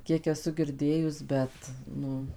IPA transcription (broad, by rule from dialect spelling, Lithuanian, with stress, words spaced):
ˈkʲiɛk ɛˈsʊ ɡʲɪrʲˈdʲeːjʊs ˈbʲɛt ˈnʊ